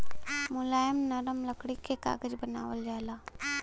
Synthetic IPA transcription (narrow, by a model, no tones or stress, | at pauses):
mʊlaːjəmnɐɾəmləkɽikeka̰ːɡəd͡ʒbɐna̰ːʋəld͡ʒaːlaː